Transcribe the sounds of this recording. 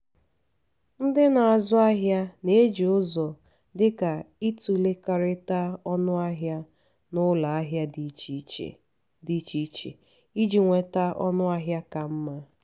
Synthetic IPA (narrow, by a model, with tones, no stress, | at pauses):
n̩˦dɪ˦na˨a˨zʊ˦a˦ɦja˦ne˨˦e˦d͡ʒi˨ʊ˦zɔ˨ | dɪ˦ka˨i˦tu˨le˦ka˨ɾɪ˦ta˦ɔ˦nʊ˦a˦ɦja˦ | nʊ˦la˨a˦ɦja˦d | di˦t͡ʃi˦t͡ʃḛ˨ | i˦d͡ʒi˨ŋʷe˨ta˦ʔɔ˦nʊ˦a˦ɦja˦ka˨m̩˦ma˦